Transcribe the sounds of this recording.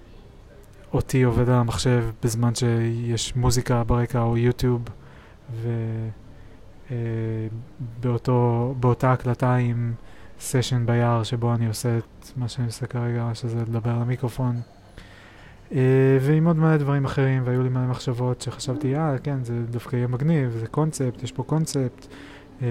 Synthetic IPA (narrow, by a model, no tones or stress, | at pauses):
o̞tio̞ve̞dalamaχʃe̞vbezmanʃe̞jeʃmuzikabeʁe̞kaojut̪jub | ve̞ | e | beotobeotaːklataimseʃe̞nbajaʁʃe̞bo̞anioset | maʃeaniosekaʁe̞ɡaʃezeled̪abe̞ʁlemikʁo̞fo̞n | eveimo̞d̪maled̪vaʁimaχe̞ʁimveajulimale̞maχʃavo̞tʃe̞χḁʃavt̪iake̞nzedafkaijemaɡnivzeko̞nt͡se̞ptjeʃpo̞ko̞nt͡se̞pt̪